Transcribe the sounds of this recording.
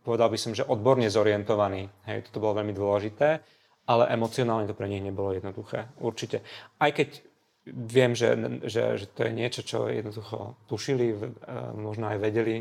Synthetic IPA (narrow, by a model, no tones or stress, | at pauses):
pɔʋɛd̪albisɔmʒɛʔɔd̪̚bɔɾɲɛzɔɾiɛnt̪ɔʋaniːɦɛjt̪ɔ̥t̪ɔbɔlɔʋɛʎmid̪ʊɔlɛʒit̪ɛː | alɛ̰ʔɛmɔt͡siɔnaːlɲɛt̪ɔpɾɛɲiɣɲɛbɔlɔjɛd̪nɔd̪uxɛːuɾt͡ʃicɛajkɛc | ʋɪɛmʒɛ̰ʒɛ̰ʒɛt̪ɔjɛ̰ɲɪɛt͡ʃɔt͡ʃɔ̰jɛ̰d̪nd̪uxɔ̰t̪uʃilimɔʒnɔajʋɛɟɛli